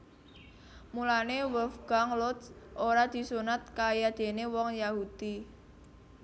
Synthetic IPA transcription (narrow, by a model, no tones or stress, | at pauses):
mulanewəlfɡ̥aŋlɔt̪sʔoɾad̪̥i̤sunat̪̚kajad̪̥e̤newɔŋjahud̪̥i